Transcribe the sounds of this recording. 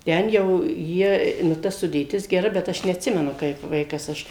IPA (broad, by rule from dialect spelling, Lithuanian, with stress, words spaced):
ˈtʲɛn jɛʊ ˈjiɛ nʊ ˈtɐ sʊdʲeːˈtʲɪs ɡʲɛˈrɐ bʲɛt ˈɐʃ nʲɛɐtʲˈsʲɪmʲɛnʊ kɐɪp ˈʋɐɪkɐs ˈɐʃ